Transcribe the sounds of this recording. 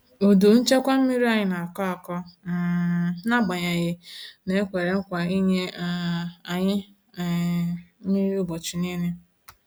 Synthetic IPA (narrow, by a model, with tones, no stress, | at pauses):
o˨do˨n̩˦t͡ʃe˦kʷa˦m̩˦mi˦ɾi˦a˦˨ɲɪ˦na˨kɔ˦a˨kɔ˦˨˦ | na˦ɡ͡ba˨ɲa˨ɣɪ˦ne˨˦kʷe˨ɾe˨ŋ̩˦kʷa˨i˦ɲe˦ | a˨ɲɪ˦˨ | m̩˦mi˦ɾi˦ʊ˦bɔ˨t͡ʃu˨ni˦ne˦